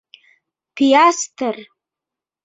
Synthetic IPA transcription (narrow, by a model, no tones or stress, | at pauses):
pʰijastʰɨr